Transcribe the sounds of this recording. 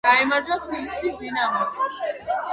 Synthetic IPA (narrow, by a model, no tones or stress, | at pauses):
aɛmaɾd͡ʒat̪ʰbilisisd̪inamɔɡ